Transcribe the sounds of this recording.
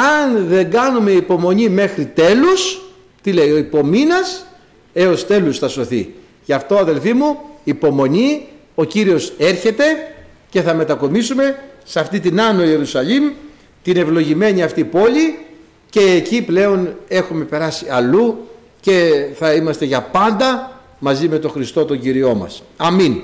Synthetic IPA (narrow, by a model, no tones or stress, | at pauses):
ɐnðe̞ŋɡɐnume̞ipo̞mo̞ɲime̞xɾit̪e̞lus | t̪ile̞io̞ipo̞minɐs | e̞o̞st̪e̞lusθɐso̞θḭ | ʝɐft̪o̞ɐðe̞lfimuipo̞mo̞ɲi | o̞ciɾio̞se̞ɾçe̞t̪e̞ | ce̞θɐme̞t̪ɐko̞misume̞sɐft̪it̪inɐno̞ie̞ɾusɐʎim | t̪ine̞vlo̞ʝime̞ɲiɐft̪ipo̞ʎi | ce̞ːciple̞o̞ne̞xume̞pe̞ɾɐsiɐlu | ce̞θɐimɐst̪e̞ʝɐpɐnd̪ɐ | mɐzime̞t̪o̞xɾist̪o̞t̪o̞ɲɟiɾio̞mɐ̰sɐmin